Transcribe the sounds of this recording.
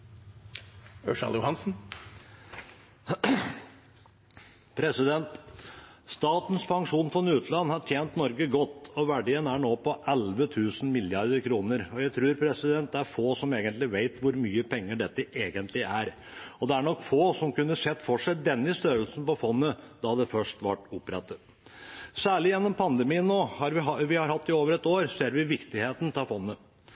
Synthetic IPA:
œʂɑ̰ljʊhɑnsn̩ | pʰɾɛsɪd̪ɛnt̪ | st̪ɑːt̪n̩spʰɑŋʂuːnfɔnʉːt̪lɑnːhɑʈʰjeːnt̪nɔɾɡəɡɔt̪ːɔʋæɖɪənæɳoːpɔʔɛlʋət̪ʰʉːsn̩mɪljɑɾd̪əɾkʰɾuːnəɾɔjæɪt̪ʰɾʉːɾpʰɾɛsɪd̪ɛnt̪̚d̪ɛæɾfoːsɔmeːɡənt̪lɪʋeɪt̪ʋʊɾmyːəpʰɛŋːəɖɛt̪ːəʔeːɡənt̪ʰlɪæɾ | ɔd̪ɛæɳɔkːfoːsɔmkʉnːəsɛt̪ːfɔʂæɪd̪ɛnːɪst̪œɾəlsn̩pɔfɔnːəd̪ɑd̪ɛfœʂʈʋæʈːʊpɾɛt̪ːə | sæːɭɪjɛnːɔmpʰɑnd̪əmiːənnoːhɑɾʋɪʋɪhɑɾhɑt̪ːɪoːʋəɾɛt̪oːɾseːɾʋɪʋɪkt̪ɪheːt̪n̩t̪ʰɑfɔnːə

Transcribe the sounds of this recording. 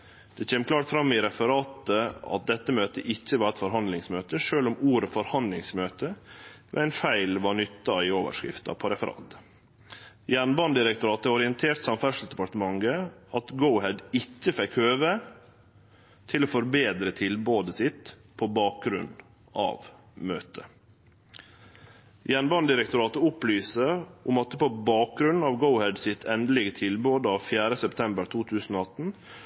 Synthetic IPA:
d̪̥ɛçeːmkʰlɑːʈfɾɑmːɪɾɛfəɾɑːt̪əɑ̰t̪̚d̪ɛt̪ːəmøːt̪əʔɪçːəʋɑɾɛt̪fɔɾɦɑnd̪lɪŋsmøːt̪əʂøːlʊmuːɾəfɔɾhɑnd̪lɪŋsmøːt̪əʋɛ̰æɪnfæɪlʋɑɳʏt̪ːɑɪoːʋə̰ʂkɾɪ̰ft̪ɑ̰pʰɔɾɛfəɾɑ̰ːt̪ | jæɳbɑnd̪ɪɾɛk̚t̪ʊɾɑːt̪əɔɾɪɛnt̪ʰeːɾʈ̪sɑmfæʂəl̩sd̪ɛpɑʈ̪əmɑŋɡəɑt̪ɡəʊhɛd̪ɪçːəfɛkhøːʋə | t̪ʰɪloːfɔɾbeːd̪ɾət̪ʰɪlboːd̪əsɪt̪ | pʰoːbɑːk̚ɡɾʉ̰n | ɑ̰ːʋ | møːt̪ʰə | jæɳbɑnd̪ɪɾɛk̚t̪ʊɾɑːt̪əʊplyːsəʔʊmɑt̪ːəpobɑːk̚ɡɾʉnn̩ɑːʋɡəʊhɛd̪sɪt̪ʰɛnd̪əlɪɡət̪ʰɪlboːd̪əɑːʋfjæːɾəsɛpt̪ʰɛmbəɾt̪ʰuːt̪ʰʉːsn̩oːɑt̪n̩

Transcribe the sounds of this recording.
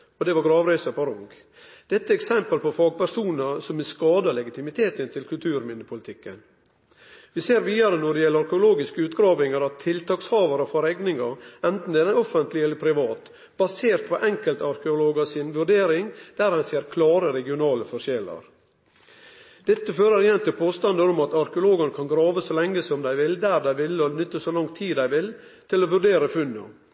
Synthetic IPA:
ɔd̪ɛʋɑɡɾɑːʋɾæɪsəpɔɾʊŋɡ | d̪̥ɛt̪ːəɛksɛmpəlpɔfɑːɡ̚pæɾʂuːnəsɔmɛskɑːd̪ɑlɛɡɪt̪ɪmɪt̪ʰeːt̪ənt̪ʰɪlkʰʉlt̪ʰʉːɾmɪnːəpʰʊlɪt̪ʰɪkːən | ʋɪseːɾʋiːɑɾənɔɖɪjɛlːəɑɾkəʊloːɡɪskəʉːt̪ɡɾɑːʋɪŋəɾɑt̪ʰːɪlt̪ɑːkshɑːʋɑɾəfɔɾɛɡnɪŋɑɾɛnt̪n̩ɛɾəɔfənt̪lɪɛlːəɾpʰɾɪʋɑːt̪ | b̥ɑseːɾt̪̚pʰɔʔɛŋkəlt̪ɑɾkəʊloːɡɑsɪnʋʉɖeːɾɪŋd̪̥æːɾhɑnseːɾkʰlɑːɾəɾɛɡɪʊnɑːləfɔʂjɛlə̰ɾ | d̪̥ɛt̪ːəføːɾəɾɪjɛnt̪ʰɪlpʰoːst̪ɑnd̪əɾɔmɑt̪ɑɾkəʊloːɡənəkʰɑnɡɾɑːʋəsɔlɛŋːəsɔmd̪æɪʋɪld̪æːɾd̪æɪʋɪlːɔnʏt̪ːəsɔlɑŋt̪ʰiːd̪æɪʋɪl | t̪ʰɪlɔʋʉɖeːɾəfʉnːə̰

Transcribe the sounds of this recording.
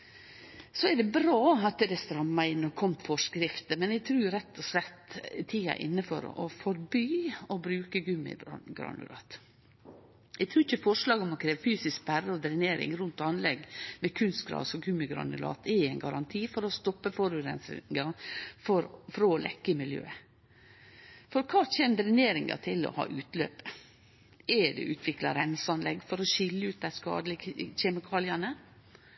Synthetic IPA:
sɔɛdɛbɾɑːɑt̪d̪ɛst̪ɾɑmːɑɪnːɔkʰɔmfɔʂkɾɪft̪əmɛnɛɡt̪ʰɾʉːɾɛt̪ːɔslɛt̪ːt̪ʰiːɑ̰ʔɪ̰nːəfɔ̰ɾɔ̰fɔɾbyːɔbɾʉːkəɡʉmɪ̰ɡɾɑ̰nʉ̰lɑ̰ːt̪ | ɛɪɡt̪ʰɾʉːɪçəfɔʂlɑːɡɔmɔkʰɾeːʋəfyːsɪsk̚bærəɔd̪ɾɪneːɾɪ̰ŋɾʉnt̪ɑnlɛɡmɛkʰʉnst̪ɡɾɑ̰ːʋsɔkʰʉməɡɾɑ̰nɪlɑ̰ːt̪ɛæɪnɡɑɾɑnt̪ʰiːfɔɾɔst̪ɔpːəfɔɾʉɾɛ̰nsɪ̰ŋɑfɔɾfɾolʔɛ̰kːəmɪljø̰ːə | fɔɾkʰɑːt͡ʃɛːnd̪ɾɪneːɾɪŋɡɑ̰t̪ʰɪlɔ̰hɑ̰ːʔʉːt̪lø̰ːpə̥ | ɛɖɛ̰ʔʉːt̪ʰʋɪklɑɾɛnsɑnlɛɡfɔɾɔʃɪlːəʉːt̪̚d̪æɪskɑ̰ːd̪lɪçɛmɪkʰɑːlɪɑnə

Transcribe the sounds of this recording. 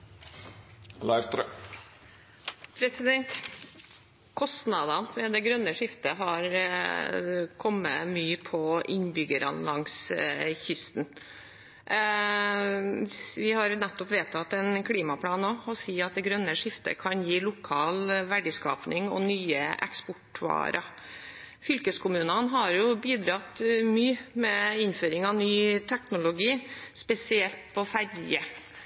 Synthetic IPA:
lɑɪʋt̪ɾ | pʰɾɛsɪd̪ɛnt̪ | kʰɔst̪nɑd̪ɑnʋɛd̪ɛɡɾœnːəʂɪft̪əɦɑɾ | kʰɔmːə̰myːpʰɔɪnbʏɡəɾɑ̰nlɑŋsçʏst̪n | ʋɪhɑɾnɛt̪ːɔpʋeːt̪ʰɑt̪ːɛnkʰliːmɑpʰlɑːnːoːɔsiːɑt̪̚d̪ɛɡɾœnːəʂɪft̪ə̰kʰɑnjiːlʊkʰɑːlʋæɖɪskɑ̰ːpnɪŋɔ̰nyːə̰ʔɛ̰kspʊʈʰʉɑ̰ːɾɑ | fʏlkəskʰʊmʉːnənɦɑɾjʊbiːd̪ɾɑt̪myːmɛɪnføːɾɪŋɑʋnyːt̪ʰɛknʊlʊɡiːspɛsɪɛlt̪̚pʰɔfæɾjə

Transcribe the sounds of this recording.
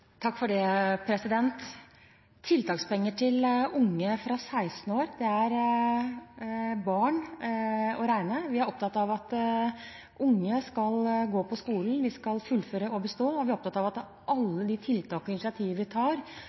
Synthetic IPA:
t̪ʰɑkːfɔɖɛpʰɾɛsɪd̪ɛnt̪ʰː | ɪlt̪ɑːkspɛŋːəʈʰɪlʊŋːəfɾɑsæɪst̪n̩oːɾd̪ɛæɾ | bɑːɳ | ɔɾæɪnəʋɪæɾɔp̚t̪ɑt̪ːɑʋɑt̪ | ʔʊŋːəskɑlɡoːpʰɔskuːln̩ʋ̪ɪskɑlfʉlføːɾəɔbəst̪oːɔʋɪæɾɔp̚t̪ɑt̪ɑʋɑt̪ | ʔɑlːəd̪ɪt̪ʰɪlt̪ʰɑːkɪnɪsɪɑt̪ʰiːʋəʋɪt̪ʰɑːɾ

